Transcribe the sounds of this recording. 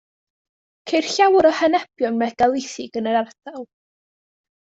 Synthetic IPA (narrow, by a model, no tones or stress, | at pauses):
kʰejrɬawɾɔhɛnɛbjɔnmɛɡ̥alˠɪθɪɡənəɾardalˠ